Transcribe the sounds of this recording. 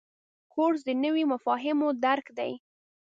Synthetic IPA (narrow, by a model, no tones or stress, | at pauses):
koɽz̬d̪ənəwimafɑɦɪmod̪aɾkd̪a̰j